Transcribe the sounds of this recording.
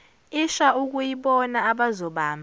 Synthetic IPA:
iʃauk̬ʼujiɓɔnaːɓazɔɓaːmbʱa

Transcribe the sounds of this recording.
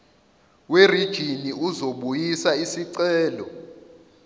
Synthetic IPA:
werid̥ʒ̥ʱiniuzoɓujisaisiǀɛːlɔ

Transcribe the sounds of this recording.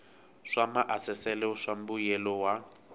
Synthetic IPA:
ʂamaʔasɛsɛlɛʂam̩bujɛlɔwa

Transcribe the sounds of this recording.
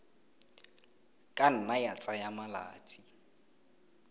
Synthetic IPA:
kʼan̩najat͡sʼajamala̰ːt͡sʼi

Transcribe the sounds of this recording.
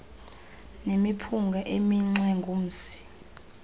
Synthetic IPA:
nemipʰuŋɡʱaʔemiŋ͡ǀwɛŋɡʱum̩ːsi̥

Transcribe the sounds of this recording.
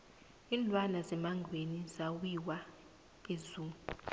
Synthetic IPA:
inlwanazɛmaŋɡʱwenizawiwa | ezuːmu

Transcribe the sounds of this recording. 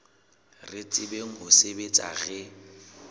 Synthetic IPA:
rɪt͡sʼɪbeŋ̩ɦʊsebet͡sʼa̰ɣɛ

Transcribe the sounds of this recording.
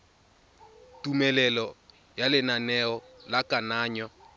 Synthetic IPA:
tʼumɛlɛlɔ | jalɪnanɛɔ | lakʼanaːɲɔ

